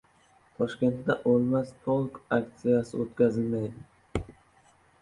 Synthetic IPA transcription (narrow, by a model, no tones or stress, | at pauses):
t̪ʰɒʃkʲe̞nt̪d̪aʔolˠmast̪ʰolˠkakt̪sijasɪ̰ot̪kʲazɪlmajd̪ɪ